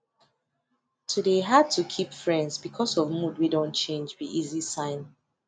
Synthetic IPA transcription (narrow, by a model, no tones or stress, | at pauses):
tʰudeɦad̚tʰukʰipfɹɛ̃ndzbikʰɔsɔvmud̚widõnt͡ʃẽnd͡ʒwiʔizisãɪ̃n